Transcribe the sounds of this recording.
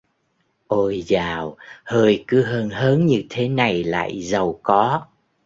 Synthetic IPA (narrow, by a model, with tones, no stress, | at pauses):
ʔo˧jzaː˨˩whəː˧jkɨ˨˦ɦəː˧nhəː˨˦nɲɨ˧t̪ʰe˨˦na˨˩jla̰ː˧˨jzə˨˩wkɔ˨˦